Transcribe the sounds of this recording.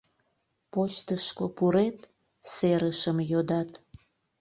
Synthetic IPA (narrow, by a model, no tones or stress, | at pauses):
pot͡ɕt̪əʃkopuɾet̪ | seɾəʃəmjod̪ɑt̪